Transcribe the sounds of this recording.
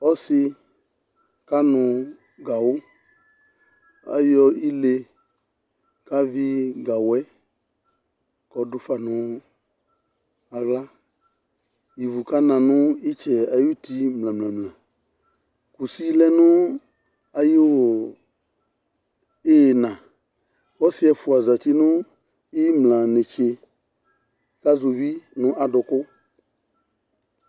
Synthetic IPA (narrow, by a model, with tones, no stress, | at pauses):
ɔ˦sɪ˧ | ka˦nʊ̃˧ | ɡa˨wʊ˦ | a̰˨jɔ˧i˦le˧ | ka˦vɪ˦ɡa˨wɛ˦ | kɔ˨dʊ˦fa˨nʊ̃˨˦ | a˨ɣla˦ | ji˨vu˨ka˦nã˨nʊ̃˦i˦t͡ʃɛ˨a˨ju˦ti˧mlã˨mlã˨mlã˨ | ku˨si˦lɛ˦nʊ̃˦ | a˨jo˦˨ | e˦˨nã˨ | kɔ˦sɪ˦ɛ˨fʊ˨a˨za˨ti˦nʊ̃˦ | i˦mlã˨nɪ̃˨t͡ʃe˧ | ka˦zo˨vi˦nʊ̃˦ʔa˨dʊ˨kʊ˦